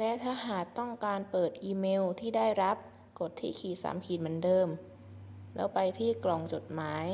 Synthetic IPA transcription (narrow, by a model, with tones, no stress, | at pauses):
lɛ˦˥t̪ʰaː˥˩ɦaː˨˩t̚t̪ːɔ˥˩ŋkaː˧npɤː˨˩t̪̚ʔiː˧meː˧wt̪ʰiː˥˩daː˥˩jɾa˦˥p̚ | ko˨˩t̪ʰːḭː˥˩kʰiː˨˩sa̰ː˩˦mkʰiː˨˩t̪̚ma˨˧˩ndɤː˧m | lɛ̰˦˥wpa˧jt̪ʰiː˥˩klɔ˨˩ŋt͡ɕo˨˩t̪̚maː˩˦j